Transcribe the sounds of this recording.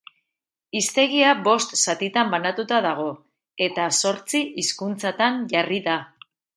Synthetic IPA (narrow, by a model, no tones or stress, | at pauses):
ist̪e̞ɣ̞iabo̞st̪sat̪it̪ambanat̪ut̪aðaɣ̞o̞ | e̞t̪aso̞ɾt͡siʔiskunt͡sat̪anʝariða